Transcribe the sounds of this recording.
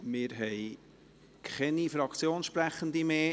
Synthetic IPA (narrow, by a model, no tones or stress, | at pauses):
mɪːɾɦɛj | kχɛnifɾɑkt͡sjoːnʃpɾæχənd̪imeː